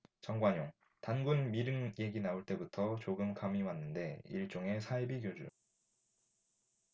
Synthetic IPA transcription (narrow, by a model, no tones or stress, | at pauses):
t͡ɕʌŋɡwaɲoŋ | tanɡunmiɾɯŋje̞ɡinauɭt͈e̞butʰʌt͡ɕoɡɯmkamiwanːɯnde̞ḭɭt͡ɕ͈oŋe̞sʰaibiɡjod͡ʑṵ